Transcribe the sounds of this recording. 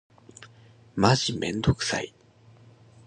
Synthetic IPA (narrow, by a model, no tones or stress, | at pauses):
maʑimẽ̞̰nd̪o̞kɯ̟̥sa̰i